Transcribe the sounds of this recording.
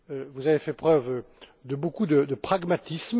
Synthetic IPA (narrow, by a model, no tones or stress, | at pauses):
øvuzavefɛpχœv | d̪əbokud̪əd̪əpχaɡmat̪ism